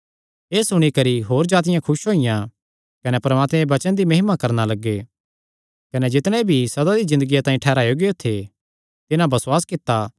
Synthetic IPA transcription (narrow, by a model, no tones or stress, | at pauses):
eːsʊɽ̃ikɐɾiɦoːɾd͡ʒaːt̪ɪjãkʰʊʃɦoːijã | kɐnɛpɾɐmaːt̪mebɐt͡ʃə̃nd̪imɐɦɪmakɐɾnalɐɡːe | kɐnɛd͡ʒɪt̪ɽ̃ẽbʱisɐd̪ad̪izɪ̃nd̪əɡijat̪ãːĩʈʰɛːɾaːjoɡeot̪ʰːe | t̪ɪnãbɐswaːskɪt̪ːa